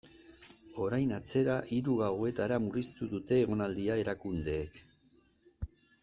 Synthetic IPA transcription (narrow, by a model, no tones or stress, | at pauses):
o̞ɾajnat͡se̞ɾaʔiɾuɣawe̞t̪aɾamurist̪uðut̪e̞ːɣ̞o̞nald̪iae̞ɾakund̪e̞ːk